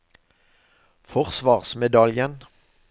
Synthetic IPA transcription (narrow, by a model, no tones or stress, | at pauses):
fɔʁsʋɑːʁsmɛd̪ɑljən